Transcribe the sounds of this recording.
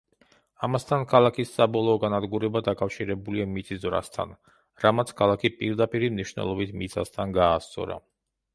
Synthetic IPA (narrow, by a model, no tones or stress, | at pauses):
amast̪ʰankʰalˠakʰisːabɔlˠɔːɡanad̪ɡuɾɛbad̪akʼafʃiɾɛbuliamit̪sʼizvɾa̰st̪ʰa̰n | ɾamat̪sʰkʰalˠakʰipʼiɾd̪apʼiɾimniʃwnɛ̰lˠɔbit̪ʰmit̪sʼast̪ʰanɡaːst̪sʼɔ̰ɾa̰